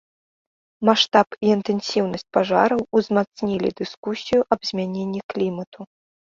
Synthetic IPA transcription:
maʂt̪apiːnt̪ɛnsʲiwnɐsʲt͡sʲpaʐa̰ɾɐwuzmat̪snʲilʲḭd̪ɨskusʲijuʔɐbzʲmʲanʲenʲːiklʲimɐt̪u

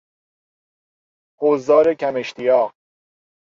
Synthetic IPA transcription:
hozd̪ɒːɾekʰæme̞ʃt̪ʰijɒːʁ

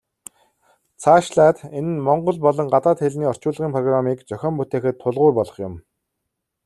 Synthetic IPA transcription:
t͡sʰaːʃɮaːt̪enɘ̆nmɔɴɢɞ̆ɮpɔɮɞ̆ŋɢat̪aːt̪xeɮniːɔr̥t͡ɕʊːɮʁiːmpʰrɔɣramiːkt͡ɕœxʲɔːmput̪eːxɘ̆t̪ʰːʊɮʁʊːrpɔɮɞ̆χjʊm

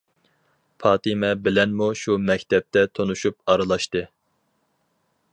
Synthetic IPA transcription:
fʰɑːt̪ɨmɛbɪlɛnmuʃumɛkʲt̪ʰɛp̚t̪ʰɛt̪ʰonuʃup̚ɑɾɨlˠɑʃt̪ɨ

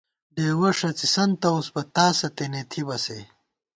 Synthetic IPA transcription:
ɖeːwɐʂɐt͡sisɐnt̪ɐosbɐt̪aːsɐt̪enet̪ʰibɐse

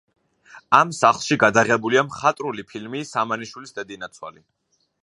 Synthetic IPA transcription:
amsaχlˠʃiɡad̪aʁɛbuliamχat̪ʼɾulipʰilmisamaniʃwilisd̪ɛd̪inat̪sʰwa̰li

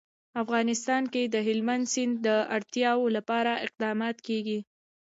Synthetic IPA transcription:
afɣɑnɪst̪ɑnked̪əɦɪlmand̪sɪnːəaɽt̪jɑwolapɑɾaɪq̚d̪ɑmɑt̪keɡi

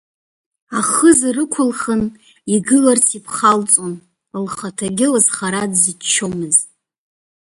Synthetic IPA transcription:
aχəzrɨkʷʰʊlχən | iɡɨlart͡sʰipʰχalt͡sʼon | lχatʰaɡʲɪlazχaɾadzit͡ʃʰːo̞mɨz

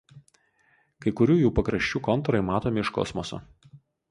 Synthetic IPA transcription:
kɐɪkʊɾʲuːjuːpɐkɾɐʃʲt͡ʃʲuːkɔnt̪ɔɾɐɪmɑːt̪oːmʲɪɪʃkɔ̰smɔso̰

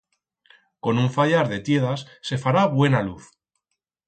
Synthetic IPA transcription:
ko̞nuɱfaʎaɾðe̞t̪je̞ð̞asːe̞faɾaβwe̞naluθ

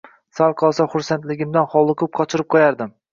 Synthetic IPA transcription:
salˠqʰɒlˠsaχʊɾsant̪lɪɡʲɪmd̪anχɒlˠʊkʰʊp̚qʰɒt͡ʃʰɪɾɪp̚qʰɒjaɾd̪ɪm

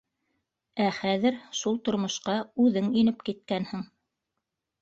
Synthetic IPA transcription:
æχæðɘɾʃulˠt̪ŏɾmŏʃqɑʉðɘŋinɘpkit̪̚kænhɘŋ

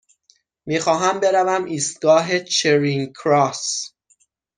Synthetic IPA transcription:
miːxɒːɦæmbe̞ɾævæmʔiːst̪̚ɡɒːɦet͡ʃʰeɾiŋkʰɾɒːs

